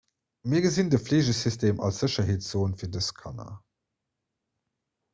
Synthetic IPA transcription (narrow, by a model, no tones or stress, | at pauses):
miːɐɡəzindəfleːʑəsystʰeːmʔɑ̰lsz̥əɕɐɦeːtsz̥oːənfiːɐdəskʰɑ̰na̰